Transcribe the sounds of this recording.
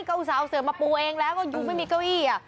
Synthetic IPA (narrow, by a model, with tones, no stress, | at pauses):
kə˧wsaː˨˧˩wsɨ˨˩əmaː˨˩pu˨˩ʔɛ˧ŋlaː˨˦kɔ˨˧˦zʊ˨˩ŋ͡mmaː˨˦mḭ˨˩kə˧wʔi˧˩aː˨˩